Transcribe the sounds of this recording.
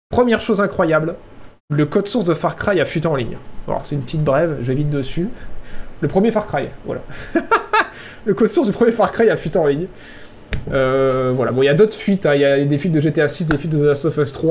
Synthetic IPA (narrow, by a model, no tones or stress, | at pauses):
pχəmjɛʁʃozɛ̃kχwajabl | ləkɔd̪suʁsd̪əfaʁkχajafɥit̪eɑ̃liɲa̰lɔ̰ʁsɛynpət̪it̪̚bʁɛvʒəevit̪̚d̪əsy | ləpχəmjefaʁkχajvwa̰la̰ | ləkɔd̪suʁsd̪ypχəmjefaʁkχajafɥit̪eɑ̃liɲ | øvwala̰bɔ̃iljad̪ot̪χəfɥit̪ɛ̃iljad̪efɥit̪̚d̪əʒet̪easis̬d̪efɥit̪̚d̪əzast̪ɔfɛst̪χwa